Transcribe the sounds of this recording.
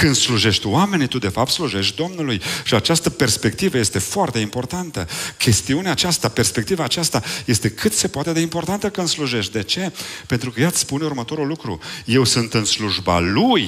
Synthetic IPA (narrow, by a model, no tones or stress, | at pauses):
kɨnd̪sluʒe̞ʃt̪wame̞nit̪ud̪e̞fap̚t̪sluʒe̞ʃt̪̚ʲd̪o̞mnulujʃiat͡ʃast̪əpe̞rspe̞k̚t̪ivəje̞st̪e̞foart̪e̞impo̞rt̪ant̪əkʲe̞st̪iuneaːt͡ʃast̪ape̞rspe̞k̚t̪ivaːt͡ʃast̪aje̞st̪e̞kʰɨt̪se̞poat̪e̞d̪e̞impo̞rt̪ant̪əkɨnd̪sluʒe̞ʃt̪̚ʲd̪e̞t͡ʃe̞pent̪ɾukəjat̪sʲspunurmət̪o̞ɾulːukɾuje̞wsɨnt̪ɨnsluʒba̰luj